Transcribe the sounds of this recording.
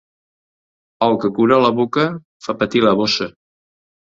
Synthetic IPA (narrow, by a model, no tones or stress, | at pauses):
əlˠkəkuɾələβokə | fapət̪iləβosə